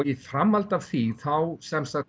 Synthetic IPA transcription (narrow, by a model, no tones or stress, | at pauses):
ifɾamːalt̪av̥θiθawsɛmsa